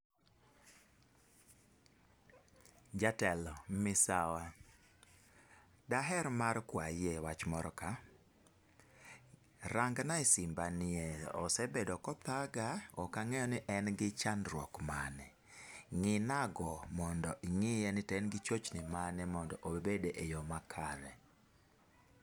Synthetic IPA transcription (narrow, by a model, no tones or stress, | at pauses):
d͡ʒatɛlɔmɪsawa | daɦɛɾmaɾkwajewat͡ʃmɔɾɔka | ɾaŋɡnaisɪmbanɪɛɔ̰sɛbedɔkɔt̪aɡaɔkaŋɛjɔnɪʔɛnɡɪt͡ʃandɾwɔ̰kmanɛ | ŋɪnaɡɔmɔndɔʔiŋɪjɛnɪtɛnɡɪt͡ʃot͡ʃnɪmanɛmɔndɔʔobedeʔejɔmakʰaɾɛ